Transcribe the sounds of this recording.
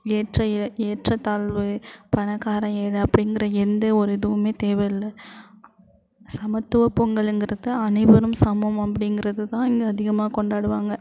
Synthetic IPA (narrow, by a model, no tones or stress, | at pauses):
eːʈrɐɪeːʈrɐt̪aːɭʋɯpɐnɐkːaːɾɐ̃eːɽɯɐpːɐɽɪnɡɪrɐɛnd̪ɐɔɾɯɪðɯʋɯmeːt̪eːʋɐjɪlːɐ | sɐmɐt̪ːɯʋɐpɔŋɡɐɭɪnɡɪɾɐðɯɐnɐɪbɐɾɯmsɐmɐmɐpːɐɽɪŋɡɪɾɐðɯt̪ãːɪŋɡeɐðɪɣɐmaːkɔɳɖaːɽɯʋaːŋɡɐ